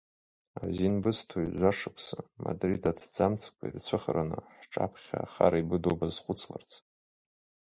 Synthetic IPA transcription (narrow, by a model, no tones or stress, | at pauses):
azinbɨstʰoiʒʷaʂɨkʷʰsɨma̰dridadʰd͡zamt͡sʰkʷʰairt͡sʷʰɨχranɨ̰ħʈ͡ʂʼapʰχʲa̰χaɾaibɨdobazχʷʊt͡sʰla̰rt͡sʰ